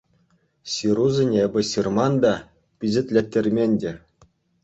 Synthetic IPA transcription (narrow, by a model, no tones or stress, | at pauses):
siɾuzʲenʲebʲɘ̆sirmɑnd̪ɑ | pʲizʲɘ̆t̪ʲlʲetʲːĕrʲmʲenʲdʲe